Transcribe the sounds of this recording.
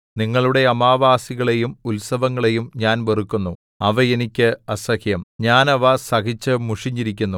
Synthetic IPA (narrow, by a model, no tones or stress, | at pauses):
niŋːɐɭuɽe̞ɐmaːʋaːsiɣɐɭe̞jumulsɐʋɐŋːɐɭe̞jumɲaːnʋerukːunːu | ɐʋɐenikʲːɨɐsɐkjɐmɲaːnɐʋɐsɐkit͡ɕːɨmuʂiɲːiɾik̬ʲːunːu